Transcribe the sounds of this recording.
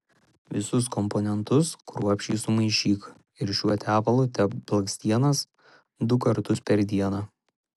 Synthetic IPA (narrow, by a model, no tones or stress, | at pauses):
ʋʲɪsʊs̬kɔmpɔnʲɛnt̪ʊskɾuɔpʲʃʲiːsʊmɐɪʃʲiːk | ɪɾʃʲuɔt̪ʲæːpɐlˠut̪ʲɛpblˠɐksʲt̪ʲiɛnɐs | d̪ʊkɐɾt̪ʊspʲɛɾd̪ʲiɛnɑː